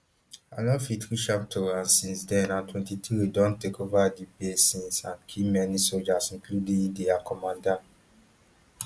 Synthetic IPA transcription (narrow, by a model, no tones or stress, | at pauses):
a̰lɔ̃fitɾiʃap̚tʰɔãnsĩnsdɛ̃nãntʰwɛ̃ntitʰuedɔ̃ntekovadipesĩnsãnkʰimɛnisod͡ʒasĩnkʰludĩdiakʰɔmãndãn